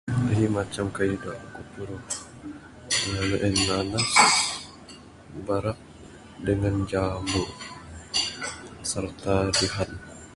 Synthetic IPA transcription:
əɦimat͡ʃamkaidaʔkut̪uɾu | əŋaluʔɛnːanas | baɾaʔ̚ | dəŋand͡ʒamuʔ | sərt̪aduɦan

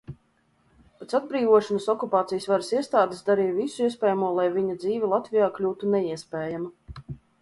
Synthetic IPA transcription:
pɛt̪sad̪̚bɾiːvuɔʃɔnasɔkupaːt̪sijəsvaɾsiɛst̪aːd̪esd̪aɾiːvisuiɛspʲɛːjamuɔlˠajvʲiɲad̪ziːvʲilˠat̪vʲijaːklʲuːt̪unɛiɛspʲɛːjama

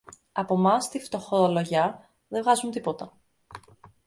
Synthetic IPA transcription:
ɐpo̞mɐst̪ift̪o̞xooloʝɐ | ðevɣɐzunt̪ipo̞t̪ɐ

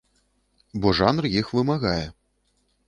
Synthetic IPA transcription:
bɔʐanrjixvɨmaɣajɛ

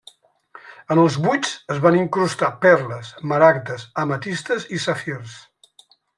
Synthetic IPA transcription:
ənəlˠzβut͡səzβaniŋkɾust̪apɛrləsməɾak̚t̪əzəmət̪ist̪əzisəfjers

